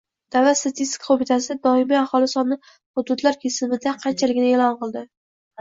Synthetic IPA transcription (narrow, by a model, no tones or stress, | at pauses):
d̪̥avlat̪st̪ʰat̪ʰist̪ʲɪ̥kʰḁqobɪt̪ʰasɪd̪ɒɪmiahɒlˠɪsɒnːɪ | χʊd̪ʊd̪laɾkʲʰesɪmɪd̪aqʰɑnt͡ʃʰalɪɡʲɪnɪelɒnqɨlˠd̪ɪ